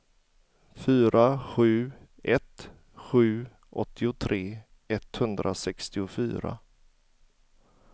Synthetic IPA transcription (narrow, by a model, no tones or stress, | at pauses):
fyːɾʔaɧʉ̟ː | ʔɛt̪ | ɧʉ̟ː | ʔɔt̪ʰːɪʊt̪ʰɾʔeː | ɛt̪hɵnd̪ɾʔasɛkst̪ɪʊfy̰ːɾa̰